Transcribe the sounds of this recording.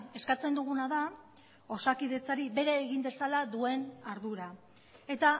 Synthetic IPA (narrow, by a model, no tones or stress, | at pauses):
e̞skat͡se̞nd̪uɣ̞unaða | o̞sakiðe̞t͡saɾibe̞ɾeːɣimbe̞salaðue̞naɾðuɾa | e̞t̪a